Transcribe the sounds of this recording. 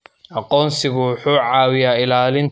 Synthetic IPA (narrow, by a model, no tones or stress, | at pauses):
ʔɑqɔːnsɪɣʊwʊħuːʕɑːwɪjaːɪlaːlɪn